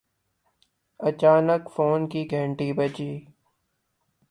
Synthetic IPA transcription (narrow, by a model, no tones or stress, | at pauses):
ɐt͡ʃaːnəkfoːnkiɡʱə̃ɳʈiːbəd͡ʒiː